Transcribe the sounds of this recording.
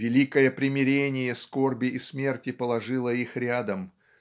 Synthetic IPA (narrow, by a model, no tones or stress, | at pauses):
vʲɪlʲikəjəpɾʲɪmʲɪɾʲenʲɪjəsko̞rbʲɪʔːsmʲe̞rtʲɪpəlˠɐʐɨlˠəixɾʲad̪əm